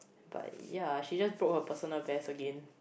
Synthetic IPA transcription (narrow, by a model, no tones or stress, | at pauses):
ba̰t̚jaʃid͡ʒasbɹot̚həpəsɔnəlbɛsəɡɛ̃n